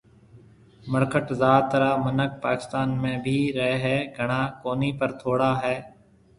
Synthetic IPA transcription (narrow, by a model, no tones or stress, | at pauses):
məɾkʰəʈzaːt̪ɾaːmənək̚paːkɪ̥st̪aːnmẽːbʱiːɾɛɛɦɛːɡʱəɳ̃aːkoːniːpəɾt̪ʰoːɽaːɦɛː